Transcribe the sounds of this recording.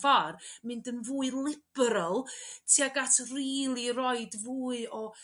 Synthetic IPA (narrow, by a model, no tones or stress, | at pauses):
varmɨndənvuːɨlˠɪb̥ɛɾəlˠtʰiaɡatʰriːlˠiɾɔɨdvuːɨɔ